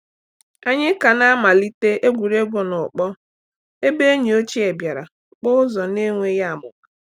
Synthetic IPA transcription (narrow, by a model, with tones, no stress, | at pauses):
a˦ɲɪ˦ka˨na˦ma˨li˦te˦ʔe˦ɡʷu˨ɾe˦ɡʷo˨nʊ˨k͡pɔ˦ | e˦be˦e˦ɲi˨o˦t͡ʃi˦e˨bja˨ɾa˨k͡pʊ˦ʊ˦zɔ˨ne˦ŋʷe˦ja˦a˨mʊ̰˨ka˨